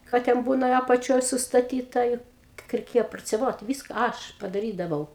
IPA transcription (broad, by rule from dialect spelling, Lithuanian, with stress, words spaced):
ˈkɑː tʲɛn ˈbuːnɐ ɐpɐˈt͡ʃʲoːj sʊstɐˈtʲiːtɐ ɪ kʲiɛk rʲɛɪˈkʲeːjɛ proːt͡sʲɛˈʋoːt ˈʋʲiːskɐ ˈɐʃ pɐdɐˈrʲiːdɐʋɐʊ